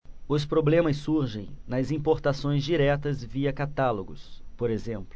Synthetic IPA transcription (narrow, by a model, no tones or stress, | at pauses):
ʊspɾoblẽmɐsːuɾʒẽj̃nɐzĩpoɾt̪asõj̃zd͡ʒiɾɛt̪ɐzviɐkat̪aloɡʊ̰spoɾezẽmplʊ